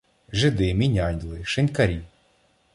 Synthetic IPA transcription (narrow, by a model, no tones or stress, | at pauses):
ʒɪd̪ɪmʲinʲɑnʲlˠɪʃɪnʲkɐɾʲi